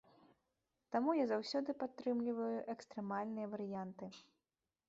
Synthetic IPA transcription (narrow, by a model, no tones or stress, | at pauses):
t̪amujazawsʲɔd̪ɨpat̪ːɾɨmlʲivɐjuʔɛkst̪ɾɛmalʲnɨjɐvɐɾɨjant̪ɨ